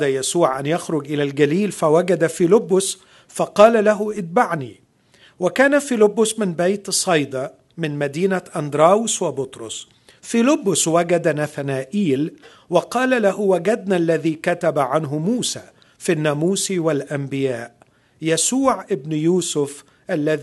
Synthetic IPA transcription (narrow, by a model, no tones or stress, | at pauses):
d̪ajasuːʕʔanjaxɾʊɡʔɪlalɡaliːlfawaɡad̪afilɪbːʊs | fɑqɑːlalaɦʊʔɪd̪̚baʕniː | wakaːnafilɪbːʊsmɪnbajt̪sˤɑjd̪ɑ | mɪnmad̪iːnaʔɑnd̪ɾˤɑːwʊswɪbʊt̪ɾˤʊ̰s | filɪbːʊswaɡad̪naθanaːʔiːl | wɑqɑːlalaɦʊwaɡad̪̚nalːaðiːkat̪abaʕanɦʊmuːsaː | finːaːmuːsiwalʔambɪjaːʔ | jasuːʕʔɪbnjuːsʊf | ʔalːað